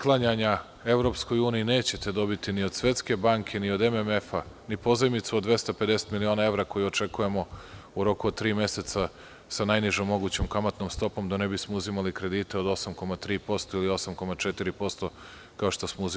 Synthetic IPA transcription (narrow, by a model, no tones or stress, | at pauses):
klˠaɲaɲa | e̞ʋɾo̞psko̞juːnijine̞ːt͡ɕe̞t̪e̞d̪o̞bit̪inio̞d̪sʋe̞t̪ske̞baŋkʰe̞niod̪ememefanipo̞zajmit̪sud̪d̪ʋe̞st̪aped̪e̞set̪milionae̞ʋɾako̞juot͡ʃe̞kuje̞mo̞uɾo̞kuod̪̚t̪ːɾiːme̞se̞t̪sa | sanajniʒomːo̞ɡuːt͡ɕomkamat̪noːmst̪o̞po̞md̪onebismouzimalikɾe̞d̪iːt̪eod̪o̞samko̞mat̪ɾiːpo̞st̪o̞ilio̞samko̞mat͡ʃet̪iɾipo̞st̪o̞ | kao̞ʃt̪o̞smouz